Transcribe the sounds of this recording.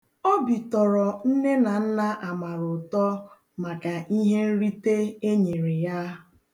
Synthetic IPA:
o˦bi˨tɔ˨ɾɔ˨n̩˦ne˦na˨n̩˦na˦ʔa˨ma˨ɾʊ˨tɔ˦ | ma˨ka˨ʔi˦ɦe˦n̩˦ɾi˦te˦e˦ɲe˨ɾe˨ja˦

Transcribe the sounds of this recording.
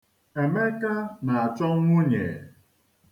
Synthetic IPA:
e˨me˦ka˦na˨a˨t͡ʃɔ˦ŋ˦ŋʷʊ˦ɲḛ˨

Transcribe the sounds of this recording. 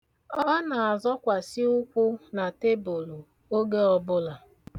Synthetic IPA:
ɔ˦na˨a˨zɔ˦kʷa˨si˦ʊ˦kʷʊ˦na˨te˦bo˨lo˨ | o˦ɡe˦ɔ˦bʊ˦la˨

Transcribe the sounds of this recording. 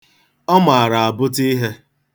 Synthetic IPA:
ɔ˦ma˨a˨ɾa˨a˨bʊ˦ti˦ɦe˦

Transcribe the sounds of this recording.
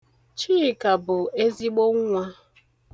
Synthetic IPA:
t͡ʃiː˦˨ka˨bʊ˨e˦zi˦ɡ͡bo˦ŋ̩˦ŋʷa˦

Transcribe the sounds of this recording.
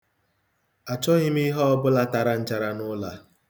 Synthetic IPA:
a˨t͡ʃɔ˦ɣɪ˦mi˦ɦɔ˦ɔ˦bʊ˦la˦ta˨ɾa˨n̩˦t͡ʃa˨ɾa˦nʊ˦la˨

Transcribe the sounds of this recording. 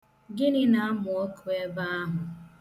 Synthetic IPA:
ɡɪ˦nɪ˦na˦a˦mʊ˨o˦kʰu˦e˦ba˦a˦ɦʊ˨

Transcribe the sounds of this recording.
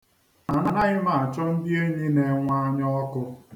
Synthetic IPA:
na˨na˦na˦ɣɪ˦ma˨a˨t͡ʃɔ˦n̩˦bi˦e˦ɲi˦ne˨ŋʷa˦ɲɔ˦kʊ˦

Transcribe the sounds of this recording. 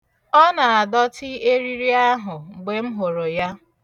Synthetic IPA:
ɔ˦na˨a˨dɔ˦tɪ˦e˦ɾi˦ɾi˦a˦ɦʊ˨ɡ͡be˨m̩˦ɦo˨ɾo˨ja˦

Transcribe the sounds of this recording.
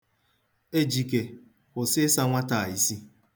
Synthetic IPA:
e˦d͡ʒi˨ke˨ | kʊ˨sɪ˦sa˦ŋʷa˦ta˨a˨i˨si˦

